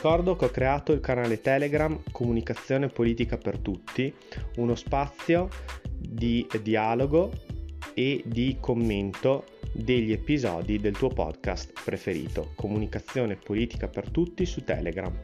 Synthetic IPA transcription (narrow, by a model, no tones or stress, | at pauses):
ikɔrd̪okeɔkːɾeaːt̪oilkanaːlet̪ɛːleɡɾamkʰomunikat̪sːjoːnepoliːt̪ikapert̪ut̪ːi | unospat̪sːjo | d̪id̪iaːloɡo | ed̪ikʰomːent̪o | d̪eʎːiepizɔ̰ːd̪id̪elt̪uːopɔ̰d̪ka̰st̪pɾefeɾḭːt̪o̰kʰomunikat̪sːjoːnepoliːt̪i̥kapert̪ut̪ːisut̪ɛ̰ːleɡɾa̰m